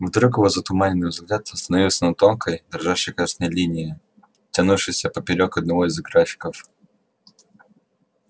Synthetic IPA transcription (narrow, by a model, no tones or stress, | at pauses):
vd̪ɾukɪvozət̪ʊmanʲɪnːɨjvzɡlʲat̪st̪ənɐvʲilˠsʲənɐt̪o̞nkʰəjd̪ɾʐaʂəjkasnəjlʲinʲɪɪ | tʲɐnufʂɨjsʲəpəpʲɪɾʲokəd̪̚nɐvo̞ɪzɡɾafʲɪ̥kəf